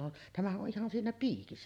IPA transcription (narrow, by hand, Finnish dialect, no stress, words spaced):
on tæmæhæʔ ʔo ʔihɑn siːnæ piːkisːæ